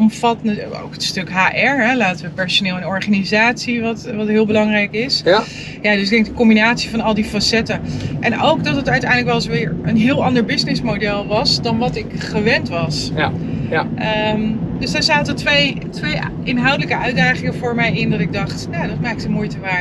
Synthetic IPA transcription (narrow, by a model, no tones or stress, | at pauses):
ɔmfɑtnəo̰wkətstɵkɦaːʔɛɹɦɛlaːtəʋəpɛɹsonɪːlˠənɔɹχanizaːtsiʋɑtʋɑtɦɪːlˠbəlɑŋrɛjkɪs | jaːdɵsɪɡ̚dɛŋkdəkɔmbinaːtsivɑnɑlˠdifasɛtəʔɛnowkdɑtətœɥtɛ̰jndləkʋɛlˠɪsʋɪːɹənɦɪːlˠɑndəɹbɪznɪsmodɛlˠʋɑsdɑnʋɑtɪkχəʋɛntʋɑs | əmdøsdaːɹzaːtətʋej | tʋej | ɪnɦɑwdələkəʔœɥdaːχɪŋəvʊːɹmɛjɪndɑtɪɡ̚dɑχtnadɑt̚maːkɪtəmujtəʋaː